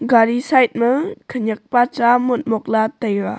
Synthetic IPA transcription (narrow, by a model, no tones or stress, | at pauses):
ɡaɾisajt̪̚məkʰəɲək̚pat͡ʃamot̪̚mok̚lat̪ajwa